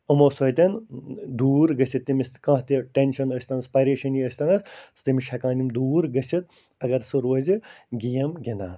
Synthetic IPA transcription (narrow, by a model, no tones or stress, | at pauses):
ɐmoːsojt̪ɐnd̪uːɾɡɐsʲit̪ːimʲiskɐ̃ːɦt̪iʈenʃɐnɐsʲt̪ɐnɐspɐjɾeːʃɐniəsʲt̪ɐnɐsst̪imiʃʰɐkãːnimd̪uːɾɡɐsʲit̪̚ | ɐɡɐɾsɨɾoːziɡijɐmɡʲina̰ː